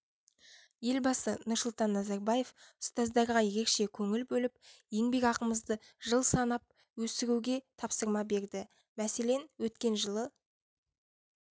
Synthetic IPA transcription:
je̞lbɑsənʊɾsʊlˠt̪ɑnːɑzɑɾbɑje̞fʊst̪ɑzd̪ɑɾʁɑje̞ɾe̞kʃe̞kʲʰɵŋɪlbɵlɪpje̞ŋbe̞kɑqəməzd̪əʒəlˠsɑnɑp̚ | wɵsɪɾuwɡʲe̞t̪ʰɑpsəɾmɑbe̞ɾd̪ɪ | mæse̞le̞nwɵt̪kʲe̞nʒəlˠə

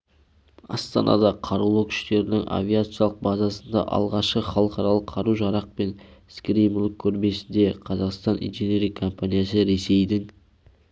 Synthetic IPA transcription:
ɑ̰st̪ɑ̰nɑ̰d̪ɑqʰɑɾulˠowkʲʰʏ̥ʃt̪e̞ɾɪnɪŋa̰vʲiat̪sɨjalˠəq̚bazɑsənd̪ɑ̰ʔɑ̰lˠʁɑʃqəχɑlˠəqɑɾɑlˠəqʰːɑɾuʒɑɾɑq̚pe̞nskɾijmlˠəkʲʰːɵɾme̞sɪnd̪e̞qʰɑzɑqst̪ɑnʔḭnʒene̞ɾijkʰo̞mpanʲijasəɾe̞se̞jd̪ɪŋ

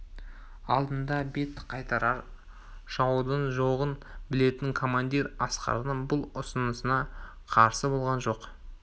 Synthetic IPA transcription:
ɑ̰lˠd̪ənd̪ɑbe̞t̪qʰɑjt̪ɑɾɑɾ | ʒ̥ɑwd̪əɴʒoʁənbɪle̞t̪ɪŋkʰo̞mand̪iɾɑsqɑ̰ɾənəɴbʊlˠʊsənəsənɑ | qʰɑɾsəbo̞lˠʁɑnʒo̞q

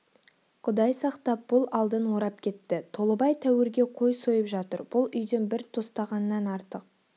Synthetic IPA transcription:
qʰʊd̪ɑjsɑqt̪ɑp̚b̥ʊlˠɑlˠd̪ənwo̞ɾɑp̚kʲʰe̞t̪ːɪt̪ʰo̞lˠəbɑjt̪ʰæwɪɾɡʲe̞qʰo̞jso̞jəpʒɑt̪əɾb̥ʊlˠʏjd̪enbɪɾt̪ʰost̪ɑʁɑnəːɑnɑɾt̪əq̚

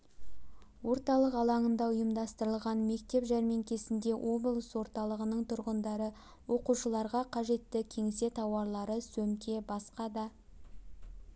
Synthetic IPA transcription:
wʔo̞ɾt̪ɑlˠəqɑlˠɑɴənd̪ɑʊjəmd̪ɑst̪əɾəlˠʁɑnme̞k̚t̪e̞pʒæɾmeŋkʲʰe̞sɪnd̪e̞wʔo̞blˠəswo̞ɾt̪ɑlˠəʁənəɴt̪ʰʊɾʁənd̪ɑɾə | wo̞quʃəlˠɑɾʁɑqʰɑʒe̞t̪ːɪkʲʰe̞ŋse̞t̪ʰɑwɑɾlˠɑɾəsɵmkʲe̞bɑsqɑd̪ɑ

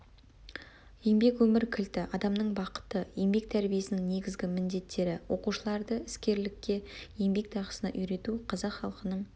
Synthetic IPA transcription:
je̞ŋbe̞kwɵmɪɾkʲʰɪlt̪ɪʔɑd̪ɑmnəɴbɑqə̥t̪əje̞ŋbe̞k̚t̪ʰæɾbije̞sɪnɪŋne̞ɡʲɪzɡʲɪmɪnd̪e̞t̪ʰːe̞ɾɪwo̞̰quʃəlˠɑɾd̪əɪskʲe̞ɾlɪkʲːe̞je̞ŋbe̞k̚t̪ʰɑʁə̥sənɑ̰ʔʏjɾe̞t̪uqʰɑzɑqχɑlˠqənəɴ

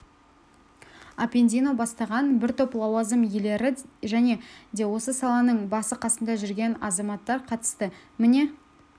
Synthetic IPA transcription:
apʲend̪ijno̞bɑst̪ɑʁɑnbɪɾt̪ʰøplˠɑwɑzəmjele̞ɾɪʒæne̞d̪e̞wo̞səsɑlˠɑnəɴbɑsəqʰɑsəmd̪ɑʒʏɾɡʲe̞nɑzɑmɑt̪ːɑɾqʰɑt̪ə̥st̪əmɪne̞

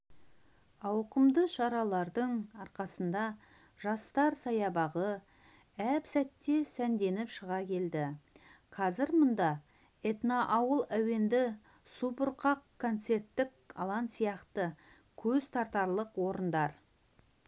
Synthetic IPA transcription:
ɑwqəmd̪əʃɑɾɑlˠɑɾd̪əɴɑɾqɑsənd̪ɑ | ʒ̥ɑst̪ɑɾsɑjɑbɑʁə | æpsæt̪ːe̞sænd̪e̞nɪpʃəʁɑkʲʰe̞ld̪ɪqʰɑzɪɾmʊnd̪ɑ | e̞t̪naʔɑwəlˠæwe̞nd̪ɪ | supʊɾqɑqkʰːo̞nt̪se̞rt̪ːɪkʰ | ɑ̰lˠɑnsijɑqt̪ə | kʲʰɵzt̪ʰɑɾt̪ɑɾlˠəqwo̞ɾənd̪ɑɾ

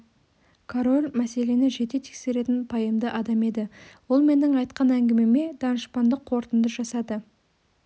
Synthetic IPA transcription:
kʰoɾo̞lʲmæse̞le̞nɪʒe̞t̪e̞t̪ʰe̥kse̞ɾe̞t̪ɪnpʰɑjəmd̪əʔɑd̪ɑme̞d̪ɪwo̞lˠme̞nːɪŋɑjt̪̚qɑnæŋɡʲɪme̞me̞d̪ɑnəʃpɑnd̪əqʰːo̞ɾt̪ənd̪əʒɑsɑd̪ə

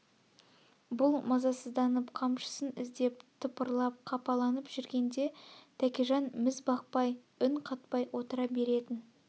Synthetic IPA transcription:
bʊlˠmɑzɑsəzd̪ɑnəpqʰɑmʃə̥sənɪzd̪e̞pt̪ʰʊpəɾlˠɑp̚qʰɑpɑlˠɑnəpʒ̥ʏɾɡʲe̞nd̪e̞t̪ʰækʲeʒɑnmɪzbɑq̚pɑj | ʏɴqʰɑt̪pɑjwʔo̞t̪əɾɑbe̞ɾe̞t̪ɪn

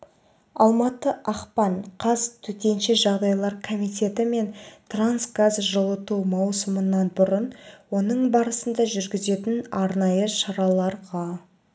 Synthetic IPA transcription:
ɑlˠmɑt̪əʔɑqpɑnqʰɑzt̪ʰɵt̪e̞nʃeʒɑʁd̪ɑjlˠɑɾkʰomijt̪ʲe̞t̪ɪme̞nt̪ransɡazʒəlˠət̪uwmɑwsəmənːɑnbʊɾənwo̞nəɴbɑɾəsənd̪ɑʒʏɾɡʲɪze̞t̪ɪnɑɾnɑjəʃɑɾɑlˠɑɾʁɑ

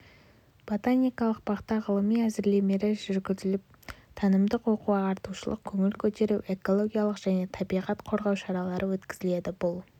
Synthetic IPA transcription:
b̥ot̪anijkɑlˠəq̚bɑqt̪ɑʁəlˠəmijæzɪɾle̞me̞ɾɪʒʏɾɡʲɪzɪlɪp̚ | t̪ʰɑnəmd̪əqwo̞quɑɑɾt̪uʃəlˠə̰q̚kʲʰɵŋɪlkʲʰɵt̪e̞ɾuwʔe̞ko̞lˠo̞ɡʲijalˠəqʒ̥æne̞t̪ʰɑbijʁɑt̪qʰo̞ɾʁɑwʃɑɾɑlˠɑɾʔəwɵt̪kʲɪzɪle̞d̪ɪbʊlˠ

